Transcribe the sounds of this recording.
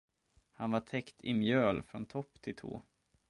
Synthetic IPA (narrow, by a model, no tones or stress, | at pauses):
hanvaʈʰɛkt̪ʰɪmjøːlfɾɔnt̪ʰɔpːt̪ʰɪlt̪ʰo̰ː